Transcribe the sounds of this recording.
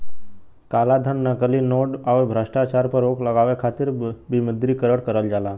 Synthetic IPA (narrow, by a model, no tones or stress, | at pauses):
kaːlad̪ʱənːəkəlinoːɖawbʱɾəʃʈat͡ʃaːɾpəɾoːkləɡaːʋekʰaːt̪ɪɾbiməd̪ɾikəɾəɽkəɾəld͡ʒaːlaː